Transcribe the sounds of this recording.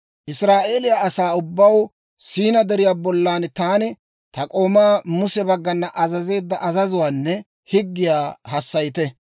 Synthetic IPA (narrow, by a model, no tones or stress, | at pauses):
ʔɪsɾaːʔe̞ːlɪjaʔɐsaːʊbːɐw | siːnɐd̪ɛɾɪjaːbɔlːaːnt̪aːnɪ | t̪ɐkʼo̞ːmaːmʊsɛbɐɡːɐnːɐʔɐzɐze̞ːd̪ːɐʔɐzɐzʊwaːnːɛ | hɪɡːɪjaːɦɐsːɐjɪt̪ɛ